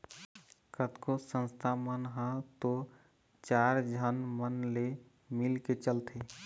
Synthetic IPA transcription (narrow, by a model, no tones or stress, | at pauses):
kət̪kosə̃nst̪ʰamənɦə̃t̪o | t͡ʃaɾd͡ʒʱənmənle | milket͡ʃəlt̪ʰe